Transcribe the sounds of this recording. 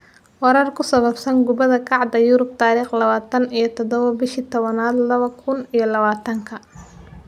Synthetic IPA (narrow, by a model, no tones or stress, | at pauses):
wɑɾɐrkʰʊsɐβɐbsɐnɡʊβɐðɐkʰɑʕd̪ɐjʊɾʊb̚t̪ʰaːɾiːχlɐβaːt̪ʰɐnijɞt̪ʰɔd̪ɔβɐbɪʃiːt̪ʰɔβɐnaːd̪lɐβɐkʰʊnijɞlɐβaːt̪ʰɐŋkʰɐ